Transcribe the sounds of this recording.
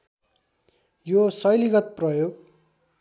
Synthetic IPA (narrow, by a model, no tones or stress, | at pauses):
josʌjliɡʌt̪̚prʌjoɡ